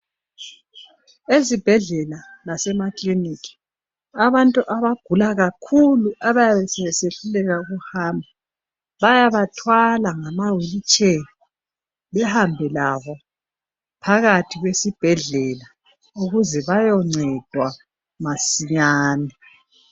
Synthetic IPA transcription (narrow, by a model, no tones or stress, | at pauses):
ezib̥ʱɛɮɛlalasɛmakʼlinikʰʼi̥ | aβantʼuʔaβaɡ̥ʱulaɣakʰuluʔaβajaβɛsɛɛseɬulɛɣauɣuhambʱa | βajaβatʰwalaŋamawelit͡ʃʼeni | βɛhambʱɛlaβɔ | pʰaɣatʰiɣwesib̥ʱɛɮɛla | uɣuzɛβajɔŋ͡ǀʱɛd̥ʱwa | masiɲaːnɛ